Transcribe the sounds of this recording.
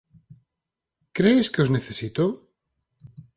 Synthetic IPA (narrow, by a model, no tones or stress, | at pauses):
kɾeːskeozne̞θe̞sit̪o